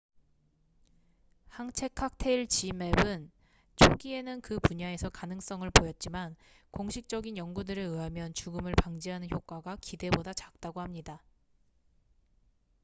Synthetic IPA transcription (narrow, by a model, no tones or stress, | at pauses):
haŋt͡ɕʰe̞kʰak̚tʰe̞iɭt͡ɕime̞bɯn | t͡ɕʰoɡie̞nɯnkɯpuɲae̞sʰʌkanɯŋs͈ʌŋɯɭpojʌt̚t͡ɕ͈iman | koŋɕʰik̚t͡ɕ͈ʌɡinjʌŋɡudɯɾɯɯamjʌnt͡ɕuɡɯmɯɭpaŋd͡ʑiɦanɯnçjok̚k͈aɡakide̞bodat͡ɕak̚t͈aɡohamɲida